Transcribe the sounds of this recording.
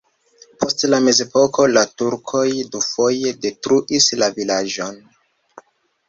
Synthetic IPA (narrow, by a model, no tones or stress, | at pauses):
pʰo̞stlame̞ze̞po̞ko̞latuɾkʰo̞jdufo̞jede̞tɾuʔislavilad͡ʒo̞n